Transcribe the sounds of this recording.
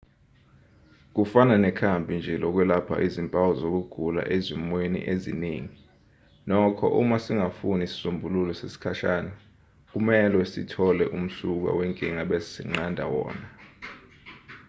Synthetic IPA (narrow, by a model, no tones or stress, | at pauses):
k̬ufananɛkʰambʱind͡ʒʱɛlɔk̬wɛlapʰa̰ʔizimpʼawɔzok̬uɡ̥ʱula̰ʔezimwenḭʔezḭniːŋi | nɔkʰɔ̰ʔumasiŋafunisi̥sumbʱululɔsesi̥kʰaʃaːna | k̬umɛlwɛsḭtʰɔlɛʔum̩suk̬a̰wɛŋkʼiŋaɓezi̥sḭŋ͡ǀandʱa̰wɔ̰ːna